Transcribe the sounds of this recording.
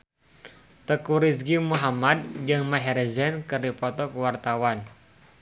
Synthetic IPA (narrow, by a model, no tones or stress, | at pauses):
t̪əkuɾisɡimuɦamad̪̚d͡ʒɨŋmaɦɛrzɛnkɨrdipɔt̪ɔkuwart̪awan